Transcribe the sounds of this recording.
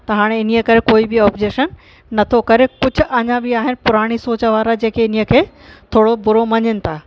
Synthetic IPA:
t̪ɐɦaːɽ̃eɪn̤iəkɐɾekoːibɪɔːpd͡ʑeːʃən | nɐt̪ʰokɐɾekʊd͡ʑʱʊ̆ʔɐɲãbɪaːɦɪnɪ̆pʊɾaːɽ̃isoːt͡ɕəʋaːɾad͡ʑẽːkʰeɪniəkʰeː | t̪ʰoːɽobʊɾomɐɲɪnɪ̆t̪ʰaː

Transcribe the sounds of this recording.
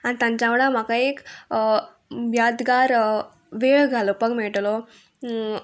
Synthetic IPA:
añit̪ãɲt͡ɕaʋɽam̤akaek | bjad̪ɡaɾ | ʋeɭɡʱalopəɡmeɭʈlo

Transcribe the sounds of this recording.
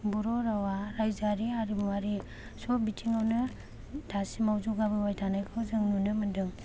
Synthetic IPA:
buɾɔɾawaɾajzaɾiaɾibuwaɾi | sɔbitʰiŋawnɯ | d̥asimawzuɡabɯwajtʰanajkʰɯwzɯŋnunɯmɯndɯŋ

